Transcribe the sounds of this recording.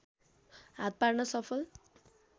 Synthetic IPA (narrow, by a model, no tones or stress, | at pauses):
ɦat̪̚paɽnʌsʌpʰʌl